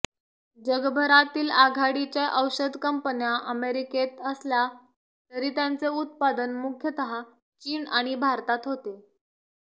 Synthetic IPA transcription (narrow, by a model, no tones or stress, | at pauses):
d͡ʑəɡbʱəɾat̪iːlaɡʱaɽit͡ɕjaʔəwɕəd̪ʱkəmpənjaʔəmeɾiket̪əslja | t̪əɾiːt̪jant͡seut̪̚pad̪ənmukʰjət̪əɦa | t͡ɕiːnaɽ̃ibʱaɾt̪at̪ɦot̪e